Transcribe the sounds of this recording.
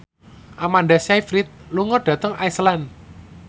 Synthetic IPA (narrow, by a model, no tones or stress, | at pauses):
ʔamanɖasajfɾit̪̚luŋɔɖ̥a̤t̪əŋaislan